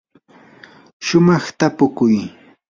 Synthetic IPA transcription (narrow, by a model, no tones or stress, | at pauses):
ʃʊmɑχt̪apʊkʊj